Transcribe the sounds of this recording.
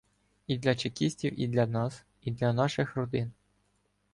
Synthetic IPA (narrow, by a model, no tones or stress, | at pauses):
id̪lʲɐt͡ʃekʲisʲtʲiwʔḭd̪lʲɐnɑs | id̪lʲɐnɑʃɪxrɔd̪ɪn